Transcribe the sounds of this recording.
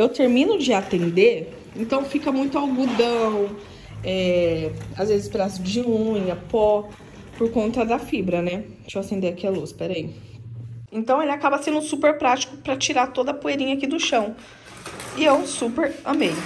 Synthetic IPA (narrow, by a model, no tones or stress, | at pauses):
ewt̪eɾmĩnʊd͡ʒɪat̪ẽnd̪e | ẽnt̪ɐ̃w̃fikɐmũj̃t̪ʊawɡud̪ɐ̃w̃ | ɛ | azvezɪspɾasʊd͡ʒɪhũj̃ɐpɔ | poɾkõnt̪ɐd̪ɐfibɾɐnɛ | t͡ʃowat̪ẽnd̪eɐkiɛluspɛɾɐi | ẽnt̪ɐ̃w̃elɪakabɐsẽnd̪ʊsupeɾpɾat͡ʃi̥kʊ̥pɾɐt͡ʃiɾat̪od̪ɐpoeɾĩɲɐakid̪ʊʃɐ̃w̃ | ɪewsupeɾɐ̃mẽj